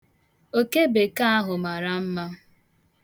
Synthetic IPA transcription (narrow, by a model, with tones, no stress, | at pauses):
o˦ke˦be˨ka˦a˦ɦʊ˨ma˨ɾa˨m̩˦ma˦